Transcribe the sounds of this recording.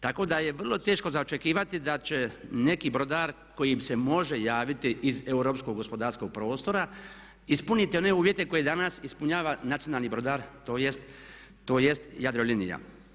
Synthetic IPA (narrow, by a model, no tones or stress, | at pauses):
t̪ako̞d̪aje̞ʋr̩lˠo̞t̪eːʃko̞zaot͡ʃe̞kiːʋat̪id̪at͡ʃe̞ne̞kibɾo̞d̪aːɾ | ko̞jimse̞mo̞ʒe̞jaːʋit̪iize̞uɾo̞ːpsko̞ɡo̞spo̞d̪aːɾsko̞ɡ̚pɾo̞ːst̪o̞ɾa | ispunit̪eo̞ne̞uːʋje̞t̪e̞ko̞jed̪anasispuɲaːʋanat̪ijo̞naːlnibɾo̞d̪aːɾt̪o̞ːjest̪ː | oːje̞st̪jad̪ɾolinḭja̰